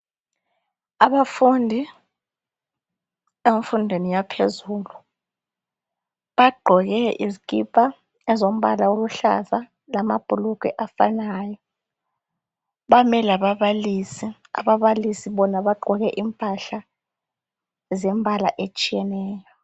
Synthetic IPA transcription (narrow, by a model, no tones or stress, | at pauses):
aɓafundʱi | eɱfundʱwenijapʰezuːlu | ɓaɡ͡ǃʱɔɣɛʔḭzikʼipʰʼa | ɛzom̩ɓalaoluɬa̰za | lamab̥ʱuluk̬ʼɛ̰ʔafanaːjɔ | ɓamɛlaɓaβalisi | a̰ɓaβalisiɓɔnaɓaɡ͡ǃʱɔɣɛʔimpʼaɬa | zɛmbʱala̰ʔet͡ʃʼijɛnɛːjɔ